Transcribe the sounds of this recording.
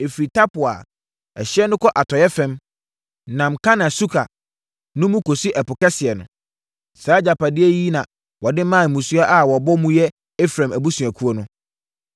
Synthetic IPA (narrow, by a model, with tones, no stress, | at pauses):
e˨fɾi˨tʰa˦pʊ˨a̰˨ | ɛ˨ɕɪ˦ɛ˦nʊ̃˦kʰɔ˦ʔa˨tʰɔ˨jɛ˦fɛ̃˦m | nã˨m˨kʰa˦nã˨su˦kʰa˨ | nʊ̃˦mũ˦kʰo˨si˦ʔɛ˨pʊ˨kɛ˦sɪ˨ɛ˨nʊ̰̃˨ | saː˨˦d͡ʑa˨pa˨dɪ˦ɛ˦ji˦nã˨ | wɔ˨dɪ˦mãː˦˨mũ˨su˦a˦ʔa˦wɔ˨bɔ˦mũ˦jɛ˦ | e˦fɾã˨mæ˨bu˦sũ˨æ˨kʰu˦o˦nʊ̃˦